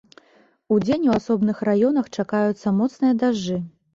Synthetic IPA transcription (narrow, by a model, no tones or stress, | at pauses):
ud͡zʲenʲuasɔbn̪ɨxrajɔnɐxt͡ʂakajut̪sːɐmɔt̪snɨjɐd̪aʐːɨ